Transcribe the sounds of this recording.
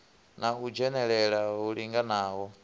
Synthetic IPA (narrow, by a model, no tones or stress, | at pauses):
naɦud͡ʒɛnɛɺɛɺaɦuɺiŋɡanaːɦɔ